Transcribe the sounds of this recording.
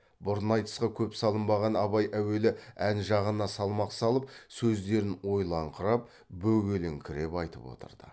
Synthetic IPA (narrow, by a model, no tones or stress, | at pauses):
bʊɾnɑjt̪ə̥sqɑkʲʰɵpsɑlˠəmbɑʁɑnɑβɑjʔæwe̞lɪænʒɑʁənɑsɑlˠmɑqsɑlˠəp̚sɵzd̪e̞ɾɪnwo̞jlˠɑɴqʰəɾɑp̚ | bɵɡʲe̞lɪŋkʲʰɪɾe̞pɑjt̪əpwo̞̰t̪ə̰ɾd̪̥ə̰